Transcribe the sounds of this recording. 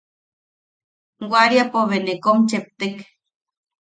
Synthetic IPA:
ɡʷaɾiapoβenekomt͡ʃep̚t̪ek

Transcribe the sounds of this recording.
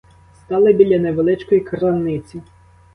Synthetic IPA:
st̪ɑlˠɪbʲilʲɐneʋelˠɪt͡ʃkɔjikɾɐnɪt͡sʲi

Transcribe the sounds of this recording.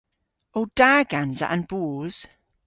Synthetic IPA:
owd̥aːɡãnzə̰ʔə̃nb̥uːz̥

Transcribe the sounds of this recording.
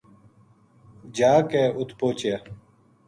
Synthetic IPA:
d͡ʑaːkeːʊt̪poːt͡ɕa

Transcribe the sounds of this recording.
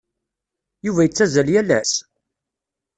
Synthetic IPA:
juvæjət͡sːæzæljælæs

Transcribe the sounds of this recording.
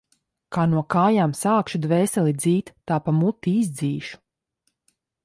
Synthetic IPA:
kaːnuɔkaːjaːmsaːkʃud̪vɛːsɛlˠid̪ziːt̪ːaːpamut̪ːiizd̪ziːʃu̥

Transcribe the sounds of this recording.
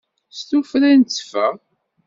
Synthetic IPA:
st̪ufɾænt͡sːfæ

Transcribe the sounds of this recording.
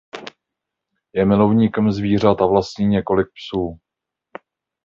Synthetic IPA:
jɛmɪlo̞vɲiːkɛmzviːr̝at̪avlast̪ɲiːɲɛko̞lɪk̚psuː

